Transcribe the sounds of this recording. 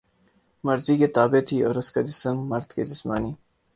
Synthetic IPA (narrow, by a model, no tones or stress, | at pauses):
mɐɾziːket̪aːbet̪ʰio̰ːɾɐskadɪsəmːɐɾd̪kḛdɪsma̰ːniː